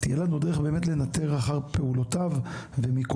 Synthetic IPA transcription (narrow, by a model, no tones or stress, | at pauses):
t̪ijelanud̪eeχbe̞ːmetlenat̪eʁaχaʁpeulotavvemik